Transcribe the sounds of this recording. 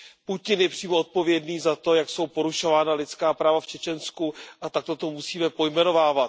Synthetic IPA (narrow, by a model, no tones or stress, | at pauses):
pucɪnjɛpr̝̥iːmoot̪̚po̞vjɛdniːzat̪o̞jakso̞wpo̞ɾuʃo̞vaːnalɪt͡skaːpɾaːvaft͡ʃɛt͡ʃɛnskuʔat̪ak̚t̪ot̪o̞musiːmɛpo̞jmɛno̞vaːvat̪̚